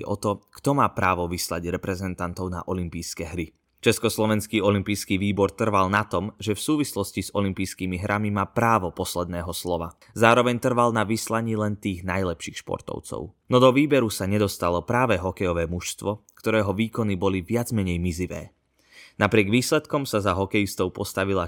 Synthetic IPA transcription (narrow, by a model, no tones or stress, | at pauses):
ʔɔt̪ɔkt̪ɔmaːpɾaːʋɔʋisla̰ɟɾɛpɾɛzɛnt̪ant̪ɔʊna̰ʔɔlimpiːskɛɦɾi | t͡ʃɛskɔslɔʋɛnskiːɔlimpijskiːʋiːbɔɾt̪r̩ʋalˠnat̪ɔmʒɛfsuːʋislɔsciz̥ɔlimpijskiːmiɦɾʔamimaːpɾaːʋɔpɔslɛd̪̚nɛːɦɔslɔʋa̰ | zaːɾɔʋɛɲt̪r̩ʋalnaʋislaɲiːlɛnt̪iːɣnajlɛpʃiːxʃpɔ̰ɾt̪ɔ̰ʊt͡sɔ̰ʊnɔd̪ɔʋiːbɛɾusaɲɛd̪ɔst̪alɔpɾaːʋɛɦɔkɛjɔʋɛːmuʃst̪ʋɔkt̪ɔɾɛːɦɔʋiːkɔnibɔliʋɪad͡zmɛɲɛjmiziʋɛ̰ː | napɾɪɛɡʋiːslɛt̪kɔmsazaɦɔkɛjist̪ɔʊpɔst̪aʋila